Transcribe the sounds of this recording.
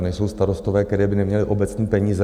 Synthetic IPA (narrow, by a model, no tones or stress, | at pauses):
nɛjso̞wst̪aɾo̞st̪ovɛːkkt̪ɛɾɛːbɪnɛmɲɛlɪʔo̞bɛt͡sɲiːpɛɲiːzɛ